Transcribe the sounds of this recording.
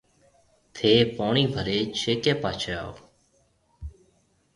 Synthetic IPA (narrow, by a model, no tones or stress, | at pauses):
t̪ʰeːpaːɳiːbʱəɾeːt͡ʃʰeːkeːpaːt͡ʃʰea̰ːo